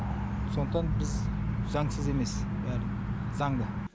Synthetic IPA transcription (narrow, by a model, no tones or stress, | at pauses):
so̞nt̪ːɑnbɪzzɑŋsəze̞me̞sbæɾ | zɑɴd̪ə